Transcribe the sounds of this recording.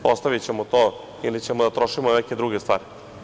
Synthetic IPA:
ost̪aʋit͡ɕemot̪o | ilit͡ɕemod̪at̪ɾoʃimoneked̪ɾuɡest̪ʋa̰ːɾi

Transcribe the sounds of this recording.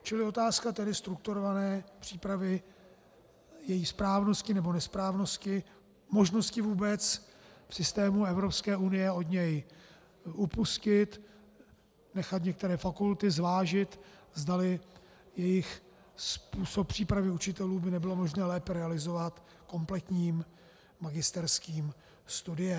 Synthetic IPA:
t͡ʃɪlɪo̞t̪aːskat̪ɛdɪst̪ɾuk̚t̪uɾovanɛːpr̝̥iːpɾavɪ | jɛjispɾaːvno̞scɪnɛbo̞nɛspɾaːvno̞scɪ | mo̞ʒno̞scɪvuːbɛt͡sfsɪst̪ɛːmuɛvɾo̞pskɛːʔunɪjɛo̞d̪ɲɛj | ʔupuscɪt̪ | nɛxat̪ɲɛkt̪ɛɾɛːfakult̪ɪzvaːʒɪt̪zdalɪ | jɛjɪx | spuːso̞pːr̝̥iːpɾavɪut͡ʃɪt̪ɛluːbɪnɛbɪlo̞mo̞ʒnɛːlɛːpɛɾɛalɪzo̞vat̪ | ko̞mplɛt̪ɲiːmː | aɡɪst̪ɛɾskiːm | st̪udɪjɛ

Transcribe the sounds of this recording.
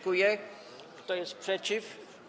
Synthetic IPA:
kujɛ | kt̪ɔjɛst̪pʂɛt͡ɕif

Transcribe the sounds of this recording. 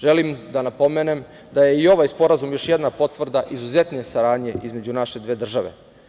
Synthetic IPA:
ʒelimd̪anapo̞menem | d̪aje̞io̞ʋajspo̞ɾazumjo̞ʃjed̪napo̞t̪ʋr̩d̪aʔizuze̞t̪nesaɾaːd̪ɲe̞ʔizme̞d͡ʑunaʃed̪ʋeːd̪r̩ʒaʋḛ

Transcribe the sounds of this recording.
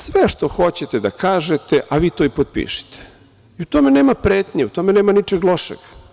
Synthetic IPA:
sʋeʃt̪o̞xo̞t͡ɕet̪ed̪akaːʒet̪eʔaʋiːt̪o̞ipod̪̚pḭːʃi̥t̪e̥ | iut̪o̞meneːmapɾeːt̪ɲeut̪o̞meneːmanit͡ʃeɡlˠo̞ʃḛɡ̥

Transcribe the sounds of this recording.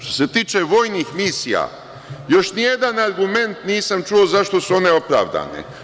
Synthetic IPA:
ʃt̪o̞se̞t̪iːt͡ʃe̞ʋo̞ːjnixmisija̰ | jo̞ʃnije̞d̪anaɾɡume̞nt̪niːsamt͡ʃuo̞zaʃt̪o̞suo̞ne̞o̞pɾa̰ːʋd̪a̰ːnḛ

